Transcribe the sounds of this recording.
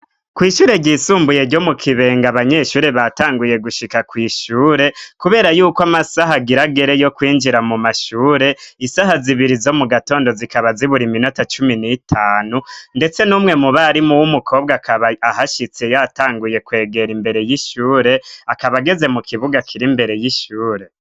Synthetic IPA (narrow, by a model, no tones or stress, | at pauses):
kwiːʃuːɾe̞ɟiːsuːmbuje̞ɾɟo̞mukʰiβe̞ːŋɡaβaɲe̞ːʃuːɾe̞βataːŋɡuje̞ɡuʃikakwiːʃuːɾe̞kuβe̞ːɾajuːkwamasaɦaɡiɾaɡe̞ɾe̞jo̞kwiːnd͡ʒiɾamumaʃuːɾe̞isaɦaziβiɾizo̞muɡato̞ːndo̞zikaβaziβuɾimino̞tat͡ʃuminitʰaːnunde̞t͡se̞numŋe̞muβaɾimuwumukʰo̞ːb̚ɡaahaʃit͡sejataːŋɡuje̞kwe̞ːɡe̞ɾimbe̞ɾe̞jiʃuːɾe̞akaβaɡe̞ze̞mukʰiβuɡakʰiɾimbe̞ɾe̞jiʃuːɾe̞